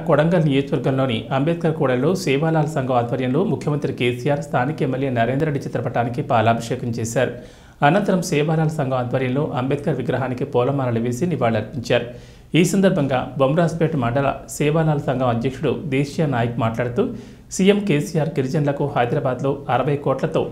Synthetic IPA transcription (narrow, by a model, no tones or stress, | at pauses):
kɔɽɐŋɡɐlnijoːd͡ʒʋɐɾɡɐmlo̞ːniɐmbeːd̪̚kɐɾkɔːɽɐllo̞ːsɛːʋaːlaːlɐsɐŋɡʱɐmaːd̪ʱʋɐɾjɐmlo̞ːmukʰjɐmɐnt̪ɾikeːsiːjaːɾst̪ʰaːnikemːeljeːnɐɾeːnd̪ɾeɖːit͡ʃɐt̪ɾɐpɐʈaːnikipaːlaːbɐʂɛːkɐmt͡ʃɛːsaːɾu | ɐnɐnt̪ɐɾɐmsɛːʋaːlaːlɐsɐŋɡʱɐmaːd̪ʱʋɐɾjɐmlo̞ːʔɐmbed̪̚kɐɾʋiɡɾɐɦaːnikipɔːlɐmaːnɐlɐʋeːsiniʋaːɭɐɾpiɲt͡ʃaːɾu | iːsɐnd̪ɐɾbʱɐŋɡa̰ːbɐmɾaːspeʈmɐɳɖɐlɐ̰sɛːʋaːlaːlɐsɐŋɡʱɐmɐd̪jɐkʂuɽṵd̪ɛːʃijɐnaːjɐkumaːʈlaːɽut̪uː | sijemkeːsijaːɾkiɾd͡ʒɐnlɐkuhɐjd̪ɾaːbaːd̪lo̞ːɐɾɐʋɐjkɔːʈlɐt̪o̞ː